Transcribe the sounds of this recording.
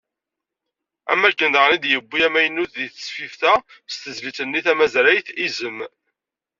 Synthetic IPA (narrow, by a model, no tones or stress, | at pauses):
æ̰mːækːənd̪əʁnid̪jəbːiæmæjənːuθðiθə̥sfifθæst̪əzlit͡sənːiθæmæzɾæjθizəmː